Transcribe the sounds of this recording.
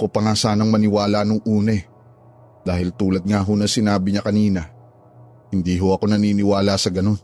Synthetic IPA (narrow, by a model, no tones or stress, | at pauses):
kopɐŋasaːnɐŋmɐnɪwaːlaʔnʊŋʔuːnɐɛ | d̪̥aːhɪlt̪uːlɐd̪̚ŋaɦonɐsɪnaːbɪɲɐkɐniːnɐ | hɪnd̪iːɦoʔɐko̞nɐniːnɪwaːlasɐɡɐno̞n